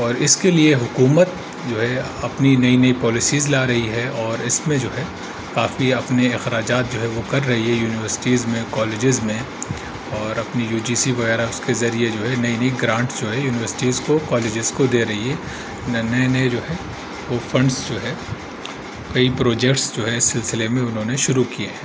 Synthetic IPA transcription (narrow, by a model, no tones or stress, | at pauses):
ɔːɾɪskelieɦʊkuːmət̪ | d͡ʒoːɦɛ | ɐpninɐinɐipɔːlɪsiːzlaːɾɐɦiɦɛɔːɾɪsmẽd͡ʒoːɦɛ | kaːfiɐpneɪxɾaːd͡ʒaːt̪̚d͡ʒoːɦɛʋokɐɾːɐɦiɦɛjuːnɪʋəɾsɪ̥ʈiːzmẽkɔːleːd͡ʒɪzmẽ | ɔːɾɐpnijuːd͡ʒiːsiʋɐɣɛːɾaʊskezɐɾied͡ʒoːɦɛnɐinɐiɡɾãːɳʈd͡ʒoːɦɛjuːnɪʋəɾsɪ̥ʈiːzkokɔːleːd͡ʒɪzkod̪eːɾɐɦiɦɛ | nnɐenɐed͡ʒoːɦɛ | ʋofɐ̃ɳɖsd͡ʒoːɦɛ | kɐipɾoːd͡ʒɛkʈsd͡ʒoːɦɛɪsːɪlsɪlemẽʊnɦõːneʃʊɾukieɦɛː